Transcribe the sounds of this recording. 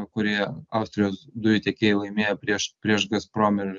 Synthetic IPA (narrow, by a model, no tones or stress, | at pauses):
kʊɾʲiɛɑˑʊsʲt̪ʲɾʲɪjoːsd̪ʊjʊt̪ʲɛkʲeːjɛlˠɐɪmʲeːjɛpʲɾʲiɛʃpʲɾʲiɛʃɡɐspɾoːmʲɪɾ